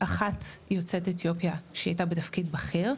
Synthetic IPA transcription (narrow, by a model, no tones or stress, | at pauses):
ʔaχatjo̞t͡setetjo̞pjaʃeajtabetafkidbaχeʁ